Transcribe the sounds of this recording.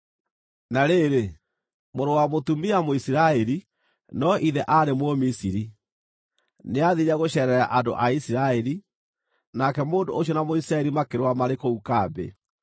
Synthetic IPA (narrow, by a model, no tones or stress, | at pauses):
naɾeːɾe | moɾowamotumiamoisiɾaɛɾi | nɔʔiðɛʔaɾemwomisiɾi | neaðiɲaɣoɕɛɾɛɾa̰ʔando̰ʔaisiɾaɛɾi | nakɛmoːndo̰oɔnamoisiɾaɛɾimakeɾwamaɾekoukaːbḛ